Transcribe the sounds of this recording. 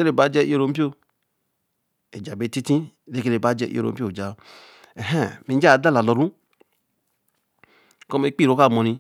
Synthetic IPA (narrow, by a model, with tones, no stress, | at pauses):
e˦ɾe˨ba˨˦d͡ʒɛ˧˦i˦o˦˨ɾo˨˦m̩˦pi˦o˦˨ | e˨d͡ʒa˨be˧˨˦ti˦tĩ˦˨ɾe˦ke˧ɾe˨ba˨˦d͡ʒɛ˧ḭ˦o̰˨ɾo̰˨m̩˦i˦o˦˨d͡ʒa˨ | ɛ˨ɦɛ̃˦˨mi˨˦d͡ʒa˦˨da˦la˨lɔ˨ɾũ˦ | kɔ˦me˨˦k͡pi˦˨ɾo˨˦ka˦˨mɔ˨nĩ˧